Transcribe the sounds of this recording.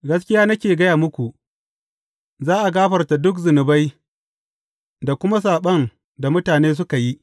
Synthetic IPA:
ɡɐ˦s̬kʲɪ˦jaː˦nɐ˦kʲeː˨ɡɐ˦jaː˨mʊ˦kʷu˨ʔ | zaː˦ʔa˨ɡaː˦ɸɐ˨rta˨dʊ˦k̬zɪ˨nɪ˨ba˦j | da˨kʷʊ˦ma˦s̬aː˨ɓɐ˦n | da˨mʊ˦taː˨neː˦s̬ʊ˦ka˨ji˦ʔ

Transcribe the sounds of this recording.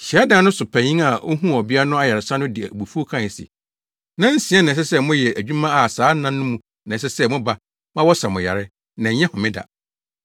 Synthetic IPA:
ɕi˨a˦dã˦nʊ̃˦sʊ˨pʰæ̃˨ɲĩ˦ŋa˨o˦ɦũ˦ɔ˨bɪ˦a˦nʊ̃˦a˦ja˨ɪ˨sa˦nʊ̃˦dɪ˨bu˨fu˦o˦kʰã˦˨sḭ˨ | nã˦n̩˦sĩ˨˦ɛ˦nã˨s̬ɛ˦sɛ˦mʊ̃˦jɛ˨æ˨d͡ʑᶣũ˦mã˦a˨saː˨˦nã˦nː˦ʊ̃˦mũ˦ | nã˨s̬ɛ˦sɛ˦mʊ̃˦ba˦ | mã˦wɔ˦sa˨mʊ̃˨ja̰˨ɾɪ˦ | nã˨˦ɲɛ̃˦hʊ̃˨mɪ̃˦da̰˨

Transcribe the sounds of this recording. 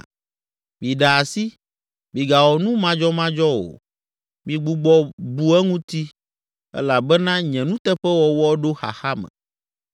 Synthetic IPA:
mi˨ɖa˨a˨si˦ | mĩ˨ɡa˨wɔ˨nũ˦mã˦d͡ʒɔ˦mã˦d͡ʒɔ˦wo̰˨ | mĩ˨ɡ͡bu˦ɡ͡bɔ˦bu˦ɛ˦ŋũ˦t̪i˦ | ɛ̰˦la˨bɛ˦nã˦ɲɛ̃˨nũ˦t̪ɛ˦ɸɛ˦wɔ˨wɔ˦ɖo˦xa̰˨xa˦mɛ̰̃˨

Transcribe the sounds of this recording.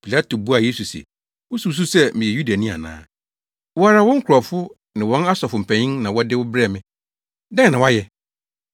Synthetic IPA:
pʰi˨la˦to˨bu˦a˨je˦su˨sɛ̰˨ | ʊ˦su˨˦s̬u˦sɛ˦˨mɪ̃˨jɛ˨ju˦da˨nĩ˦a̰˨nã̰ː˨˦ | wɔ˦a˦ɾa˨wɔ̃˦ŋ̩˦kʰʊ˨ɾa˨fʊ˦ | nɪ̃˨wɔ̃˦na˦sɔ˨fʊ˨m̩˨pʰɛ̃˨ɲĩ˦nnã˨wɔ˦dɪ˦wʊ˦bɾɛ˦˨mɪ̃˦ | dɛ̃˦˨nã˨wa˦jɛ˦

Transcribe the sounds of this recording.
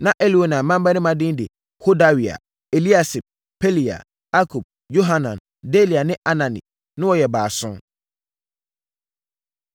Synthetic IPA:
nã˦ʔe˦li˨wo˨nã˨mã˦m˦ba˦nɪ̃˦mã˦dɪ̃˦n˦dɪ̰˨ | ho˦da˦wi˨a̰˨ | e˨li˦a˨sɪ˨b̚ | pʰe˦li˨a̰˨ | a˦kʰu˨b̚ | jo˦ɦa˦nã˨n | de˦li˨a˨nɪ̃˦ʔa˦nã˨nḭ̃˨ | nʊ̃˦wɔ˦˨jɛ˨baː˨sʊ̃˦m

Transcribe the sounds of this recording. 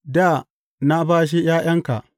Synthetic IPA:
daː˦˨ | na˦baː˦ʃ̬i˦j̰aː˦j̰ɐ˦ŋka̰˨ʔ

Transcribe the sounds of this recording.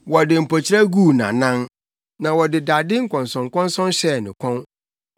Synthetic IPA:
wɔ˨dɪ˨m̩˨pʰɔ˨t͡ɕʰɪ˦ɾa˦ɡuː˦˨nã̰˨nã˦n | nã˨wɔ˨dɪ˨da˨dɪ˦ŋ̩˦kʰɔ̃˨nsɔ̃˨ŋ˨kʰɔ̃˦nsɔ̃˦nɕɛ˦˨nɪ̃˨kʰɔ̃˦n

